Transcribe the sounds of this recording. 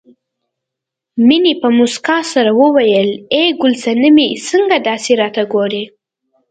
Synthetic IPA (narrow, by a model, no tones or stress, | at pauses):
minipəmʊskɑsaɾawəwajəleɡʊlsanəmisəŋɡad̪ɑseɾɑt̪aɡoɾe